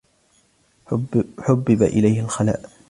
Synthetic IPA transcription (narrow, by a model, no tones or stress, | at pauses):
ħʊbːɪba̰ʔɪ̰lajhɪlxala̰ːʔ